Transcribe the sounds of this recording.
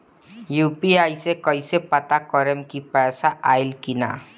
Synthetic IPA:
juːpiaːisekɔisepət̪akɔɾəmkipɛːsaʔaːɪlkina̰

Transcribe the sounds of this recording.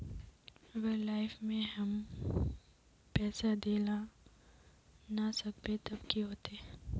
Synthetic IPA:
ɐɡəɾlaːɪfmẽɦɐm | pɛːsad̪eːla | nasɐbet̪ɐbkiɦoːt̪e

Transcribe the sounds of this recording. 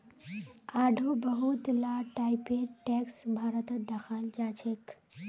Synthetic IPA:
aːɖʱoːbɐɦut̪laːʈaːjpeɾʈeːksbʱaːɾət̪əd̪ɐxaːld͡ʒaːt͡ʃʰek

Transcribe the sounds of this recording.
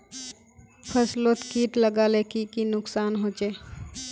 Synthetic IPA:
pʰəslot̪kiːʈləɡaːlekikinʊksaːnɦoːt͡ʃeː

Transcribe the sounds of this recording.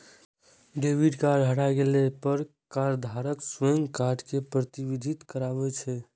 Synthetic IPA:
ɖebiɖkaɾɖɦəɽaɡelepəɾ | kaɾd̪ʱaɾəkswəŋɡkaɾɖkepɾət̪ibid̪ʱit̪kəɾabɛt͡ʃʰɛ

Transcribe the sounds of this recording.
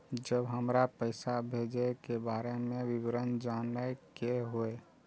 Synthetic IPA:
d͡ʒəbɦəmɾapəɪsabʱeːd͡ʒekebaːɾemẽʋɪwɾənd͡ʒaːnajkeɦoe

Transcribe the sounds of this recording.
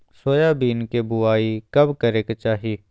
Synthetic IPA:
soːjaːbiːnkebʊaːikɐbkəɾeːkt͡ʃaːɦiː

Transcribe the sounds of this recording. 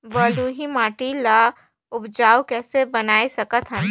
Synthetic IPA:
bəluɦimaːʈila | ʊbd͡ʒaːwkɛːsebɐnaːisɐkət̪ɦə̃n

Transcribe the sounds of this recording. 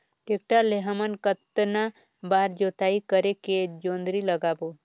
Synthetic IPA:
ʈek̚ʈaleɦəmənkət̪na | baːɾd͡ʒoːt̪aːikəɾeked͡ʒoːnd̪ɾiləɡaːbo

